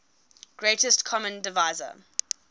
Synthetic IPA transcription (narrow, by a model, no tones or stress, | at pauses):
ɡ̥ɹetəstkʰɔmə̃ndɪvaɪzə̰